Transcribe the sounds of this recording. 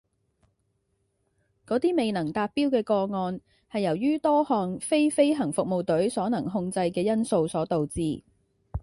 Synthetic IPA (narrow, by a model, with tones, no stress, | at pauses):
kɔː˨˥t̪iː˥me˨jnɐ˨˩ŋt̪aː˧t̚pːiː˥wkɛː˧kɔː˧ŋɔː˧n | hɐ˨jːɐ˨˩wjyː˥t̪ɔː˥hɔː˨nfe˥jfe˥jɦɐ˨˩ŋfʊ˨k̚mo˨wt̪ɵ˨˥ɥsɔː˨˥nɐ˨˩ŋɦʊ˧ŋt͡sɐ˧jkɛː˧jɐ˥nso˧wsɔː˨˥t̪o˨wt͡siː˨˧